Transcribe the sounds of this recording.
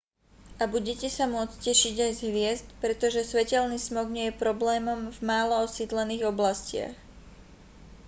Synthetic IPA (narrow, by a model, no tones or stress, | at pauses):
ʔabuɟɛcɛsamʊɔt͡scɛʃiɟajzɦʋɪɛzt̪pɾɛt̪ɔʒɛsʋɛcɛlniːsmɔɡɲɪɛjɛpɾɔblɛːmɔmvmaːlɔɔsid̪lɛniːɣɔblascɪa̰x